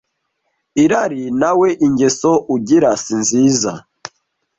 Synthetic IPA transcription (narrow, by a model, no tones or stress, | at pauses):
iɾaɾinaweʔiɲɟesoʔuɟiɾasinziːza̰